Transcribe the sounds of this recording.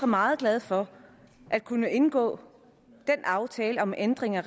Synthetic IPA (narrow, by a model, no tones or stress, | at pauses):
ɑ̈mɑ̈ːð̞̩ˠɡ̥lɛð̞ˠfɒ̽ | ʔæd̥̚kʰunəe̝nɡ̥ɔ̰̽ː | d̥enʔɑ̈ʊt͡sʰɛːləɒ̽mʔend̥ʁeŋɐʁ